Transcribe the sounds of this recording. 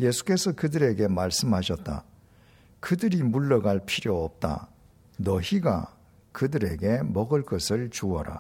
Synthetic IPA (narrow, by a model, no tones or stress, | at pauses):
je̞sʰu̥k͈e̞sʰʌkɯdɯɾe̞ɡe̞maɭs͈ɯmhaɕʰʌt̚t͈a̰ | kɯdɯɾimuɭːʌɡaɭpʰiɾjoʌp̚t͈a̰ | nʌçiɡa̰ | kɯdɯɾe̞ɡe̞mʌɡɯɭk͈ʌsʰɯɭt͡ɕuʌɾa̰